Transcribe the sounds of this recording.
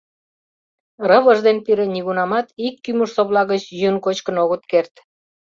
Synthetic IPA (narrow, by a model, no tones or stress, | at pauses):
rəβə̆ʒd̪enpiɾeniɣunɑmɑt̪ikːymuʃsoβlɑɣət͡ɕjønkot͡ɕkənoɣət̪kert̪